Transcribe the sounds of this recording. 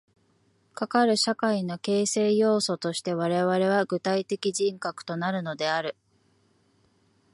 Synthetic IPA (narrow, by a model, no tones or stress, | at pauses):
kakaɾɯ̟ɕakaino̞ke̞ːse̞ːjo̞ːso̞t̪o̞ɕi̥t̪e̞β̞aɾe̞βaɾe̞β̞aɡɯ̟t̪ait̪e̞kʲiʑĩŋkakɯ̟̥t̪o̞naɾɯ̟no̞d̪e̞aɾɯ̟